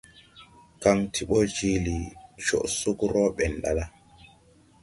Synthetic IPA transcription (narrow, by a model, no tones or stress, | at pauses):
kaŋtʰiɓɔd͡ʒilit͡ʃɔ̰ʔsukɾɔɓɛnɗa̰la